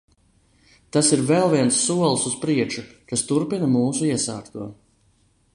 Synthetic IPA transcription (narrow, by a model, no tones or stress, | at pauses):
t̪asiɾvɛlˠviɛnsːuɔlˠsuspɾiɛt͡ʃukast̪uɾpinɐmuːsuiɛsa̰ːkt̪uɔ